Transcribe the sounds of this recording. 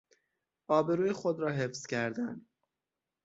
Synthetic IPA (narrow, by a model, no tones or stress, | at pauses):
ɒːbe̞ɾuːjexod̪ɾɒːɦefz̥cʰæɾd̪ænd̪